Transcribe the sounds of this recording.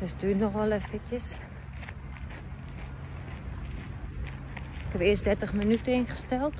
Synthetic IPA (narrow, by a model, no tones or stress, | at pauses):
ʋəstyːnnɔxʋɔlˠɛfəkjəs | ɪkɛpɪəsdɛtəχmənytəɪnχə̥stɛlˠt